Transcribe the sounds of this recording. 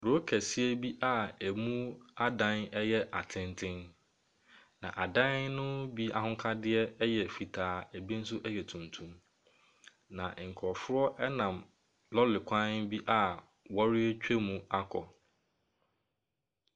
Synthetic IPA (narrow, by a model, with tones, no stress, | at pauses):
ɾo˦kʰæ˨si˦e˦bi˦ʔa˦æ˨mũ˦a˦dã˦nɛ˦jɛ˦ʔa˨tʰɪ̃˦ntʰɪ̃˦n | nã̰˨ʔa˨dã˦nnʊ̃˦bi˦a˨hʊ̃˦kʰa˦dɪ˦ɛ˦jɛ˨fi˨tʰaː˨æ˨bi˦n̩˦s̬ʊ˦ʔɛ˦jɛ˨tʰũ˨ntʰũ˨m | nã˨ŋ̩˨kʰɔ˨fʊ˦ɾɔ˦ʔɛ˦nã˨m | lɔ˦lɪ˨kʷʰã˦nbi˦ʔa˨ | wɔ˦ɾɪ˦e˦t͡ɕᶣe˦mũ˦a˦kʰɔ̰˨